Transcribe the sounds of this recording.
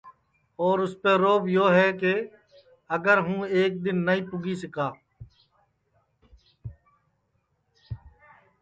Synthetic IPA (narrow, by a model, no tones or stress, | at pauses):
ɔːɾʊspeːɾoːbjoːɦɛːke | əɡəɾɦũːeːk̚d̪ɪnːəĩːpʊɡiːsɪkaː